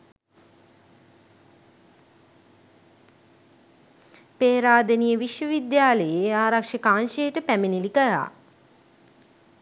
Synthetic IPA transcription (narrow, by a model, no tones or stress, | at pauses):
peːɾaːd̪ənijəʋiʃʋəʋid̪jaːləjeaːɾakʂəkaːnʃejːʈəpæminilikəɾa̰ː